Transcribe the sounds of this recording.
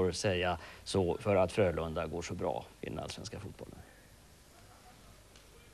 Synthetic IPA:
ɾsɛjːasɔfœɾat̪fɾøːɭɵnd̪aɡoːʂɔbɾɑ̰ːɪd̪ɛ̰na̰lsvɛnskafuːt̪bɔ̰lən

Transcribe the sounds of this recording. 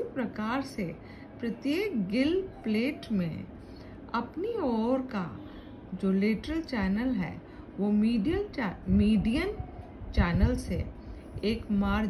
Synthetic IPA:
pɾɐkaːɾse | pɾɐt̪jeːkɡɪlpleːʈmḛ̃ | ɐpniɔːɾka̰ | d͡ʒoːlɪʈəɾəlt͡ʃɛːnəlɦɛ̰ː | ʋomiiəmiːɖijən | t͡ʃɛːnəlse | eːkmaːɾ

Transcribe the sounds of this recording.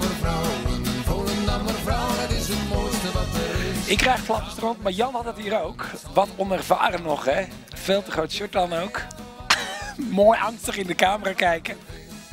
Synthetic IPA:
əvawoənaməɾvrawtɪsətmojstəʋɑtəɪkːrɛjχflɑpəstərɔntmaɹjɑnhɑtətɦiːɾowkʋɑtɔnɛrva̰ːrənɔχɛ | feːlˠtəχrowtʃɔt̚dɑnowk | moːjɑŋstəχɪndəkaːməraːkɛjkə

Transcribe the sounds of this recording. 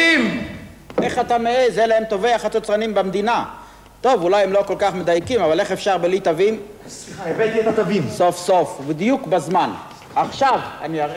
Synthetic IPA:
im | ʔeχat̪ameezelaemt̪o̞veaχat̪ot͡sʁanimbamd̪ina | t̪o̞vulajemlo̞ko̞lkaχmed̪ajkimavale̞χe̞fʃaʁbelit̪avim | saevet̪iet̪at̪avimso̞fsofbid̪jukbazman | aχʃavani

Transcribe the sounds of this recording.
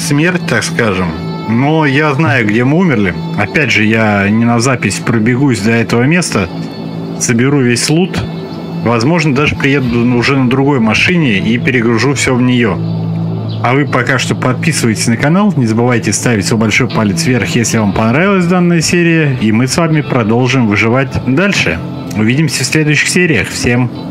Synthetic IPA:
smʲertʲt̪akskaʐɨm | nojaznajʊɡdʲe̞mɨumʲɪrlʲɪ | ɐpʲædʲʐɨjanʲɪnɐzapʲɪsʲpɾəbʲɪɡusʲd̪ɐɛt̪əvəmʲe̞st̪ə | səbʲɪɾuvʲesʲlˠut̪ | vɐzmo̞ʐnəd̪aʐɨpɾʲɪjed̪ʊʊʐɛnəd̪ɾʊɡo̞jmɐʂɨnʲɪipʲɪɾʲɪɡɾʊʐufsʲɵvnʲɪjo̞ | ɐvɨpɐkaʂt̪o̞pɐt̪̚pʲisɨvəjɪtʲɪ̥sʲnəkɐnalˠnʲɪzəbɨvajtʲɪst̪avʲɪtʲsobɐlʲʂo̞jpalʲɪt̪svʲerxjesʲlʲɪvampɐnɾavʲɪlˠəsʲd̪anːəjəsʲeɾʲɪjəimɨsvamʲɪpɾɐd̪o̞lˠʐɨmvɨʐɨvat̚ʲd̪alʲʂɨ̰ | ʊvʲidʲɪmsʲəfsʲlʲe̞d̪ʊjʏɕːɪxsʲeɾʲɪjəxfsʲe̞m

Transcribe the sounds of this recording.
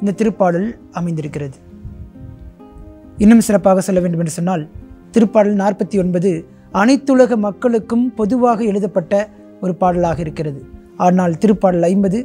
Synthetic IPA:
ɪnd̪ɐt̪ːɪɾɯpːaːɽɐl | ɐmɐɪnd̪ɪɾɯkːɪrɐðɯ | ɪnːɯmsɪrɐpːaːɣɐsɔlːɐʋeːɳɖɯmɛndrɯsɔnːaːlt̪ɪɾɯpːaːɽɐlnaːrpɐt̪ːiɔnbɐðɯ | ɐnɐɪt̪ːɯɻɐɣɐmɐkːɐɭɯkːɯmpɔðɯʋaːɣɐɛɻɯðɐpːɐʈːɐ | ɔɾɯpaːɽɐlaːɣɐɪɾɯkːɪrɐðɯ | aːnaːlt̪ɪɾɯpːaːɽɐlɐɪmbɐðɯ

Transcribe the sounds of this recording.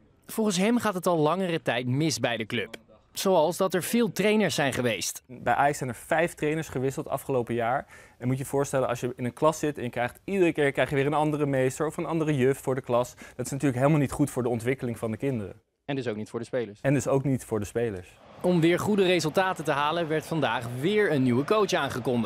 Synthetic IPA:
v̥ɔlˠχənsɦɛmχaːtɦətɑlˠlɑŋərətɛjtmɪsbɛjdəklɵp | sowɑlˠsdɑtɛɹv̥ɪːlˠtrejnəɹsɛjnχəʋejstbɛjʔaːjɑksɛjnɛɹfɛjftrejnəɹsχəʋɪsəlˠtɑ̰fχəlowpəjaːɹɛnmutjəv̥ʊːɹstɛlənɑsjəɪnənklɑsɪtɛnjəkrɛjχtidərəkɪːɹkrɛjχjəʋɪːɹənɑndərəmejstəɹɔfənɑndərəjøftfʊːɹdəklɑsdɑtɪ̥snatyːɹləkɦejlˠmalnitχutfʊːɹdəɔntʋɪkəlɪŋvɑndəkɪndərə̰ | ɛndɪs̬owknitfʊːɹdəspejləɹsɛndəsowknitfʊːɹdəspejləɹs | ɔmʋɪːɹχudərejzɵlˠtaːtətəɦaːlənʋɛɹtfɑndaːχʋɪːɹənːywəkowtsaːnχəkɔndə

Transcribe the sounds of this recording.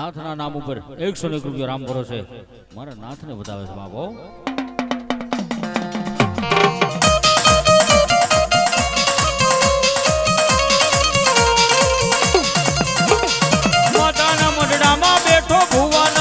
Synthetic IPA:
nãt̪ʰnanamupəɾeksonekɾupjoɾampəɾot͡ʃʰe | maɾanãt̪ʰnebəd̪a̰ʋḛsba̰bo | mat̪anaːmədɽamãbeʈʰobʱoʋan

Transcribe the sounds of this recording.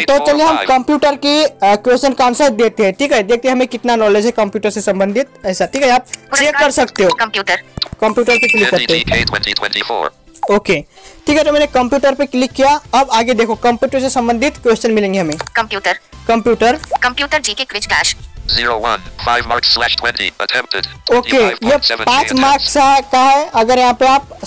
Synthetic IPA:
t̪ɔt͡ʃəlieɦəmkəmpjuʈəɾkekwesʈənkamsə̃d̪et̪eɦɛ̃ʈʰikɦəɦjd̪ek̚ʰt̪eɦɦəmekiʈnanɔled͡ʒɦɛkəmpjuʈəɾsẽsə̃mbənd̪ʱit̪̚əɦisaʈʰiːkɦaːp̚t͡ʃekːəɾsəkt̪eɦokəmpjuʈəɾkəmpjuʈəɾkeklikːəeẽwɛ̃tiwɛ̃ntif | oke | ʈʰikɦɛt̪omɛnekəmpjuʈəɾpeklikːijaəbaɡed̪ekʰokəmpjuʈəɾsẽsə̃mbə̃nd̪ʱit̪kwesʈənmilẽŋɡeɦəmekəmpjuʈəɾkəmpjuʈəɾkəmpjuʈəɾd͡ʒikekʋit͡ʃkaʃziɹowʌ̰̃nfaɪvmkːæʃtʰwɛ̃ntḭə̰tʰɛ̃m̚tɪdokkejəɛvpãt͡ʃmaɾkʰsaɦkaɦɛəɡəɾɦãpəɾap̚

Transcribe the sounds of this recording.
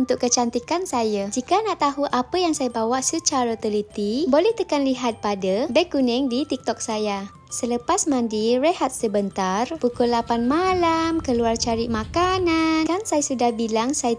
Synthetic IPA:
unt̪ʊkːət͡ʃant̪ikansajad͡ʒikanaʔt̪aɦuʔapəjaŋsajabawaʔsət͡ʃaɾət̪əlit̪ibolɛht̪əkanliɦat̪̚padəbəkunɛŋdit̪ik̚t̪ɔk̚saja | sələpasmãndirəhat̪̚səbənt̪arpukulapanmalamkəluart͡ʃaɾiʔmãkanankansajasudahbilaŋsaj

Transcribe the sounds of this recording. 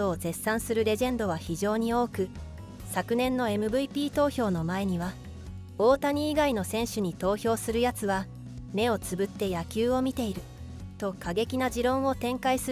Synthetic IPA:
o̞ːze̞sːãɰ̃sɨɾɯ̟ɾe̞ʑẽ̞nd̪o̞βaçiʑo̞ːɲ̟io̞ːkɯ̟ | sakɯ̟nẽ̞nːo̞e̞mɯ̟bɯ̟ipʲiːt̪o̞ːço̞ːno̞mae̞ɲ̟iβ̞a | o̞ːt̪aɲ̟iːɡaino̞sẽ̞ɰ̃ɕɨɲ̟it̪o̞ːço̞ːsɨɾɯ̟jat͡sɨβa | ne̞o̞t͡sɨbɯ̟t̪ːe̞jakʲɨːo̞mʲit̪e̞iɾɯ̟ | t̪o̞kaɡe̞kʲinaʑiɾõ̞ɰ̃o̞t̪ẽ̞ŋkaisɨ

